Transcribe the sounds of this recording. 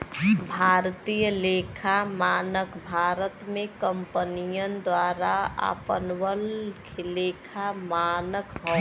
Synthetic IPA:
bʱaɾt̪ijəlekʰamaːnəkbʱaɾət̪mẽkəmpənijənd̪waɾaa̰pənwəlkʰelekʰamanəkɦɔ

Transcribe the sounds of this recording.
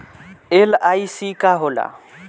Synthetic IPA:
elaːisiːkaːɦoːla̰ː

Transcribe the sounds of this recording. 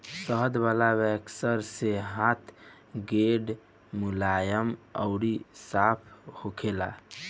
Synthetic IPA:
səɦd̪balaβɛksəɾseɦãt̪ʰ | ɡeɖ | mulajəmə̰ʊɾisapʰhokʰela̰

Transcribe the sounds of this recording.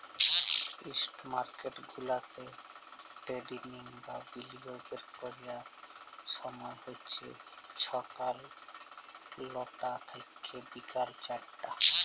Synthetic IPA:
isʈmaɾkeʈɡʱulat̪e | ʈeɖiniŋbabilibobeɾkoɾija | ʃɔmɔehot͡ɕʰḛt͡ɕʰɔkal | lɔʈat̪ʰekʰːebikaɾt͡ɕaɽʈːa

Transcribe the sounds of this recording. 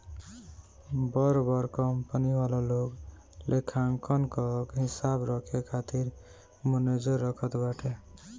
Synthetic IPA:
bʌɾbʌɾkʌmpənibalalok | lʔekʰaŋkʌnkɔkɦisabɾʌkʰekʰat̪iɾ | məned͡ʒʌɾːʌkʰət̪baʈʰe

